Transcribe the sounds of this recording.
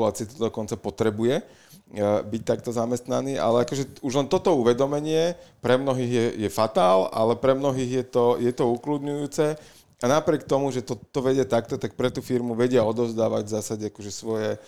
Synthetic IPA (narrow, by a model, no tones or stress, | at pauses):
laːt͡siɪɛt̪ɔd̪ɔkɔnt͡sapɔt̪ɾɛbujɛ | bic̚t̪ak̚t̪ɔzamɛst̪naniːʔa̰lɛakɔʒɛuʒlɛnt̪ɔt̪ɔuʋɛd̪ɔmɛɲɪɛpɾɛmnɔɦiːɣjɛjɛfat̪aːla̰lɛpɾɛmnɔɦiːɣjɛt̪ɔjɛt̪ɔuklud̪ɲujuːt͡sɛ | anapɾɪɛkt̪ɔmuʒɛt̪ɔt̪ɔʋɛɟɪɛt̪akt̪ɔt̪ak̚pɾɛt̪uːfiɾmuʋɛɟɪɛɔd̪ɔʊzd̪aːʋa̰ɟvzaːsaɟɛakɔʒɛsʋɔjɛ